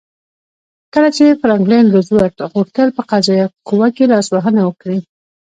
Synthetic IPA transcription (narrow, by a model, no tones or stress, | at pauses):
kəlat͡ʃefɾɑŋklanləzwaɾʈ̪ɣuxt̪əlpəqazɑjakuwakelɑswaɦənawəkɽi